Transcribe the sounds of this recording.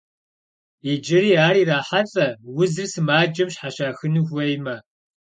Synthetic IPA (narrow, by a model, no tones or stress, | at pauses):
id͡ʒɪɾiːaːɾiːraːħaɬʼɐwʊzɨrsɨmaːd͡ʒɐmɕħaɕaːxɨnɨxʷɐjmɐ